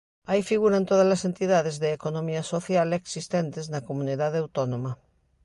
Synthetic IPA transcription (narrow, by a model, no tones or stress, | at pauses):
ajfiɣuɾant̪oðazlasent̪iðaðezðeːkonomiasoθjaleksist̪ent̪eznakomũniðaðawt̪onõma